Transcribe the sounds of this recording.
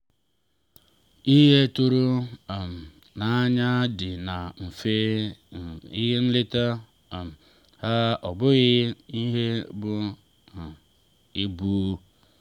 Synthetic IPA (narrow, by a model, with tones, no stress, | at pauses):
i˦ɦe˦tu˦ɾu˦˨m̩˨ | na˨˦ɲa˦dɪ˨na˨m̩˨fe˦ | i˦ɦe˦n̩˦lɪ˦ta˦˨ | m˨ | ha˦ɔ˨bʊ˦ɣɪ˦i˦ɦe˦bʊ˦˨ | i˦bu˦